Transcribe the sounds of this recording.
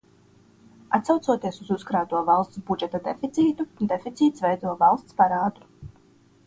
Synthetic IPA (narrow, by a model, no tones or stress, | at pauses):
at̪sawt̪suɔt̪iɛsuzuskɾaːt̪uɔvalˠst̪sbud͡ʒɛt̪ad̪ḛfit̪siːt̪ud̪efit̪siːt̪svɛjd̪uɔvalˠst̪spaɾaːd̪ɾu